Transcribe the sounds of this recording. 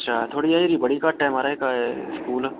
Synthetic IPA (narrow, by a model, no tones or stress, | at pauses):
tːʃʰaːt̪ʰoːɽiaːiɾibɐɽikaʈɛ̃ːmaːɾaekaeskuːl